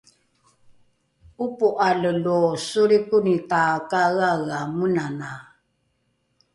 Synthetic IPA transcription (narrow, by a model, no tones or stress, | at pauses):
upuʔaləlɔsuɾikunit̪akaɣaɣamunana